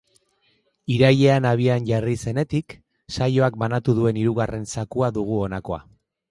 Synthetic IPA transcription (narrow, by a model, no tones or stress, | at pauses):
iɾaje̞anaβ̞ianʝarise̞ne̞t̪ik | sajo̞ak̚banat̪uðue̞niɾuɣare̞nsakuaðuɣuo̞nako̞a̰